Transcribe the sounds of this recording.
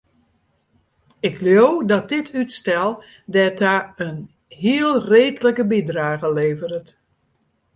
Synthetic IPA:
ɪkljowdɔt̚dɪtʰytstɛlˠ | dɛtaən | hiəlˠreːdələkəbidraːɣəleːvərət

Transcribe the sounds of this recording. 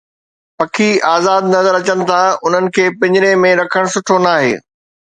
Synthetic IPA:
pɐkʰiʔaːzaːd̪nɐzəɾɐt͡ɕənɪ̆t̪ʰaʊn̤ənɪ̆kʰeːpɐ̃ɲɪɾẽmẽɾɐkʰəɽ̃sʊʈʰonaːɦḛː

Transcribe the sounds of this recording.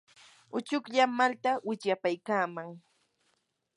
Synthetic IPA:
ʊt͡ʃʊkʎamːalt̪awɪt͡ʃapajkaːmaŋ

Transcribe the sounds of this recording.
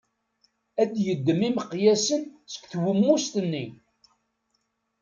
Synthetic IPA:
æd̪jəd̪ːəmiməqːjæsənsə̥kʷθwəmːust̪ənːi

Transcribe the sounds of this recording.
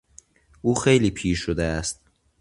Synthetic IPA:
uːxejliːpʰiːʃod̪eæst̪̚

